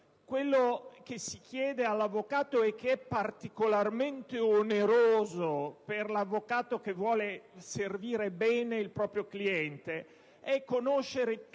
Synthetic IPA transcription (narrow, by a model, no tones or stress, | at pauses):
kwelːok̟esik̟jɛːd̪ealːavːokaːt̪oɛk̟ːeɛpːart̪ikolarment̪eoneɾoːzoperlavːokaːt̪ok̟evːwɔːleserviːɾebɛːneilpɾɔːpɾjokliɛnt̪e | ɛkːonoʃːeɾe